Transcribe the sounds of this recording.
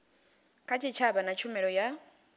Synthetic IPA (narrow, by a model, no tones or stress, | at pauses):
kʰʼat͡ʃʰit͡ʃʰaβanat͡ʃʰumɛɺɔja